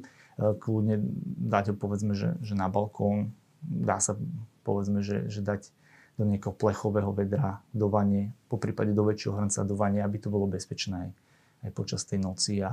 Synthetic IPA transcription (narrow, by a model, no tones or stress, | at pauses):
kludɲɛd̪aɟɦɔpɔʋɛd͡zmɛʒɛ̰ʒɛnabalkʰɔːn | d̪aːsapɔʋɛd͡zmɛʒɛ̰ʒɛd̪aɟ | d̪̥ɔɲɪakɛɦɔplɛxɔʋɛːɦɔʋɛd̪ɾad̪ɔʋaɲɪɛpɔpɾiːpaɟɛd̪ɔʋɛt͡ʃɪɛɦɔɦr̩nt͡sa̰d̪ɔʋaɲɪɛabit̪ɔbɔlɔbɛspɛt͡ʃnɛːaj | ajpɔt͡ʃast̪ɛjnɔt͡sia